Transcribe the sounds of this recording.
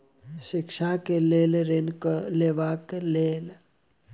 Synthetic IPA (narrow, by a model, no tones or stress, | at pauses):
ʃɪkʃakeleːleɾenkleʋakeleːl